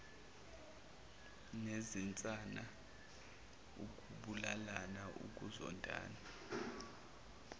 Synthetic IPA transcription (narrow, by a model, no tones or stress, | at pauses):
nezint͡sʼana | uk̬ʼuɓulalanaʔṵk̬ʼuzɔ̰ndʼʱa̰ːna